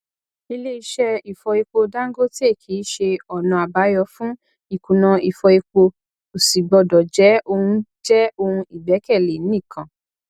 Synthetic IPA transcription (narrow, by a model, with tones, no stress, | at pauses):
i˧le˦i˧ʃɛ˧i˨fɔ˧i˧k͡po˧da˦ŋ̩˦ɡo˦te˦˨kʰi˨˦ʃe˧ɔ˨nã˧˨a˨ba˨˦jɔ˧fũ˦ | i˦˨kũ˨nã˧i˨fɔ˧i˧k͡po˧ | o˨si˨ɡ͡bɔ˧dɔ˨d͡ʒɛ˨˦o˧hũ˧d͡ʒɛ˦o˧hũ˧i˨ɡ͡bɛ˨˦kɛ˦˨le˨˦nĩ˦˨kʰã˨